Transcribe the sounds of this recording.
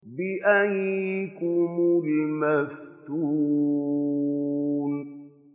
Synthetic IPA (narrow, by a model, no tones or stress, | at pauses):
biʔaɲikumuɾimestu | n